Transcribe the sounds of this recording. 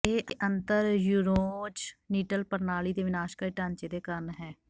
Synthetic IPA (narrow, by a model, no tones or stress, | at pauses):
eːʔəʔənt̪əɾjuːɾõːt͡ʃniːʈəlpəɾnaːliːd̪eːʋɪnaːʃkaːiʈãːnt͡ʃeːd̪eːkəɾnɦɛː